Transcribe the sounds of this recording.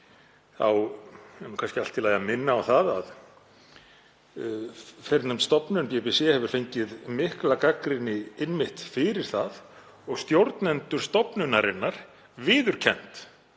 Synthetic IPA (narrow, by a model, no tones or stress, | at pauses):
θa̰wɛnːukʰanscɪal̥t̪ːɪlajamɪnːaːwθaða̰ð | fɛɾt̪nʏmst̪ɔpnʏnpjɛpɛsɛhɛvʏɾ̥fejɲcɪðmɪhklakakɾɪnːɪɪnmɪht̪fɪɾɪɾ̥θað | ɔɣst̪jowɾt̪nɛnt̪ʏɾ̥st̪ɔpnʏnaɾɪnːaɾ̥ | vɪːðʏɾ̥cʰɛn̥t̪